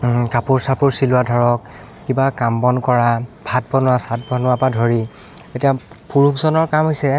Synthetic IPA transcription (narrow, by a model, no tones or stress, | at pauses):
kapuɹsapuɹsilʊwadʱɔɹɔkː | ibakambɔnkɔɹabʱat̚bɔnʊwasat̚bʱɔnʊapadʱoɹi | etija | puɹukzɔnɔɹkamɦojsɛ